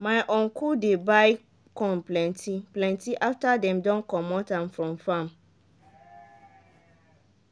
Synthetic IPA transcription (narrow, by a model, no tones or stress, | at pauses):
mãɪʔɔ̃ŋkʰudebaɪ | kʰɔ̃nplɛ̃ntʰiplɛ̃ntʰiʔaftadɛ̃mdɔ̃nkʰɔ̃mɔ̃tãmfɾɔ̃mfãm